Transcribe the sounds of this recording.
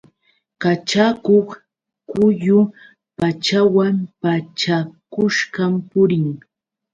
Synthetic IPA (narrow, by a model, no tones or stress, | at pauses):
kat͡ʃakoχ | kʊjʊ | pat͡ʃawampat͡ʃakʊʃɢampʊɾɪŋ